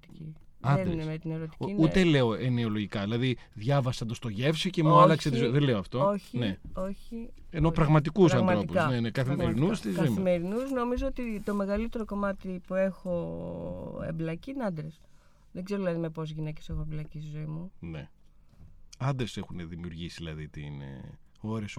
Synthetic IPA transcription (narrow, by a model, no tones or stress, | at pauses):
t̪i̥ciɐeninemet̪ineɾot̪i̥inut̪ele̞o̞eneo̞lo̞ʝikɐðilɐðiðʝɐvɐsɐnd̪ost̪o̞ʝe̞fsice̞mulɐkset̪izoiðenle̞oɐft̪o̞oçineoçi | enopɾɐɣmɐt̪ikus̬ɐnmɐɾo̞ipusɐnenekɐθimeɾinust̪izoimimeɾinusno̞mizoot̪it̪o̞me̞ɣɐlit̪e̞ɾo̞ko̞mɐt̪ipue̞xo̞ | ḛblɐciineɐnd̪ɾes | ðeɡzeɾoðilɐðimepo̞zʝinece̞seɣoeblɐcist̪izo̞imune̞̰ | ɐnd̪ɾesexuneðimiuɾʝisiðilɐðit̪iinḛ | o̞ɾes